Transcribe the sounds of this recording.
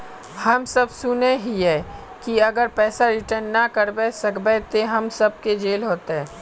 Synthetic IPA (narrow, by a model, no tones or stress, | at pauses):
hɐmsɐbsʊneɦiɦɛ | kiɐɡəɾpɛːsaɾɪʈəɾnːakɐɾbesɐkbɛt̪eɦɐmsɐb̚ked͡ʒeːlɦoːt̪eɦɛː